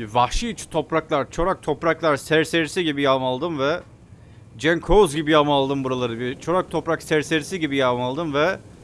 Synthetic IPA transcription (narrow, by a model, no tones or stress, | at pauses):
vahʃit͡ʃʰt̪ʰo̞pɾaklˠaɾt͡ʃʰo̞ɾak̚t̪ʰo̞pɾaklˠaɾsæɾse̞ɾisiɟibijamalˠd̪ɯmvɛ | d͡ʒɛnkʰozɟibijamalˠd̪ɯmbuɾalˠaɾɯbit͡ʃʰo̞ɾak̚t̪ʰo̞pɾaksæɾse̞ɾisiɟibijamalˠd̪ɯmvɛ